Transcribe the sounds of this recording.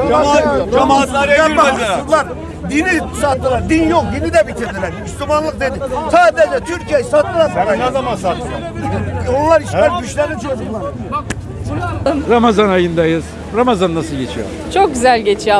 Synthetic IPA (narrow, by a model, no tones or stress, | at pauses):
aaamat̪ˠaaɾmaɯlˠaɾ | d̪inisat̪ːɯlˠaɾd̪injo̞k̚d̪inid̪ɛbit̪ʰiɾd̪ilʲæɾyslʲymanlˠɯk̚d̪e̞d̪ɪt̪ʰaːd̪ed͡ʒɛt̪ʰyɾcʰijejisat̪ːɯlˠaɾaɾaazamasat̪ːɯlˠaɾ | onlˠaɾiʃæɾɡyt͡ʃlʲɛɾnit͡ʃʰod͡ʒuklˠaɾ | ɾamazanajɯnd̪ajɯz̥ | ɾamazanːasɯlˠɟet͡ʃʰijo | t͡ʃʰo̞k̚ɟʲyzælʲɟe̞t͡ʃʰij